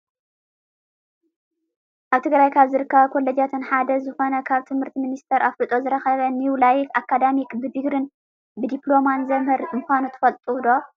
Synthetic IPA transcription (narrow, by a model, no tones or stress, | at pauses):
ʔaβt̪ʰɨɡɾajkʰaβzɨɾɨkːɐβɐkʰo̞lːɐd͡ʒat̪ʰɨnħad̪ɐzɨxo̞nɐkʰaβt̪ʰɨmhɨɾt̪ʰiminist̪ʰɐɾʔaflɨt̪ʼo̞zɨɾɐxɐβɐniwlajkakːad̪amikbɨd̪ɨɡɾɨn | bɨd̪iplo̞manzɐmhɨɾmɨxʷanut̪ʰɨ̥fɐlt̪ʼud̪o